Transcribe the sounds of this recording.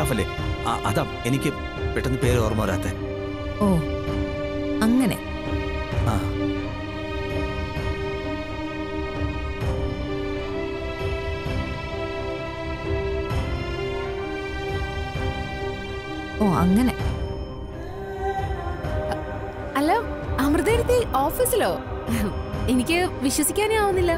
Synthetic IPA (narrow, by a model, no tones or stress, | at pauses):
aːfɐlːe | aʔɐðaːmenikʲːɨ | peʈːɐnːɨpeːɾoːrmoːɐɾaːt̪ːe | oː | ɐŋːɐnḛ | aː | oːɐ̰ŋːɐne̞ | ɐlːo | ɐmrɨd̪eːɾɐt̪ːiʔo̞ːfiːsilo̞ː | enikʲːɨʋiɕwɐsikʲːaːneaːʋunːilːɐ